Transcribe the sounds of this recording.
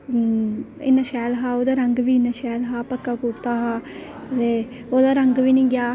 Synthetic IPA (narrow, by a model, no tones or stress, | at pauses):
ḭnːɐʃaːlɦaud̪ɐɾɐŋɡɐʋinːɐʃaːlɦaːpɐkːakuʈt̪aːɦɐ | le | od̪ɐɾɐŋɡɐʋiniŋɡʲjaː